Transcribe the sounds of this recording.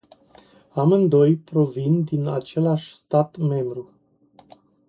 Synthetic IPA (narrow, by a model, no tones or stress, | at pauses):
amɨnd̪o̞jpɾo̞vind̪inat͡ʃe̞laʃʲst̪at̪me̞mbɾu